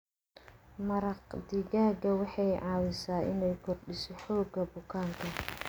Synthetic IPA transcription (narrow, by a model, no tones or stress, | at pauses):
mɐɾɑqd̪ɪɣaːɡɐwɑħɑjʕɑːwɪsaːʔɪ̰nɛjkʰɔrɖɪsɔħɔːɡɐbʊkʰaːŋkʰɐ